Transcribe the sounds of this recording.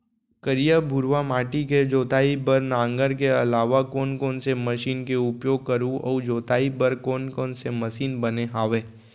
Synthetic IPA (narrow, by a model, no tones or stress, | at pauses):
kəɾijabʱʊɾʋamaːʈiked͡ʒoːt̪aːibəɾnãːŋɡəɾkeɐlaːʋakɔːnkɔːnsemɐʃiːnkeʊpjoːɡ̚kəɾũɔ̰ːd͡ʒoːt̪aːibəɾkɔːnkɔːnsemɐʃiːnbɐneɦaːʋeː